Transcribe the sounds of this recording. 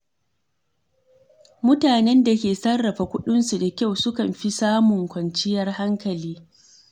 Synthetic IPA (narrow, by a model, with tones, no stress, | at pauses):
mʊ˦taː˨nɛ˦nda˨kʲeː˨sɐ˦rːɐ˨ɸa˨kʷʊ˦ɗʊ˦nsu˨da˨kʲa˦˨wsʊ˦kɐ˨mɸi˦saː˦mʊ˨ŋkʷɐ˨nt͡ʃɪ˦jɐ˦rha˦ŋkɐ˨liː˦